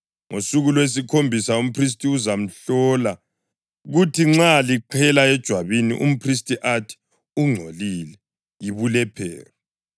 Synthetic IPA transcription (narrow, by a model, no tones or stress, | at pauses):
ŋʔosuɣulwes̬ikʰombʱisaum̩pʰris̬tʼiuzam̩ɬɔla | ɣutʰiŋ͡ǁaliǃʰɛlaɛd̥ʒ̥ʱwaβinḭʔṵm̩pʰris̬tʼiʔatʰi̥ | uŋ͡ǀʱolilɛ | jiβulɛpʰɛ̰ːrɔ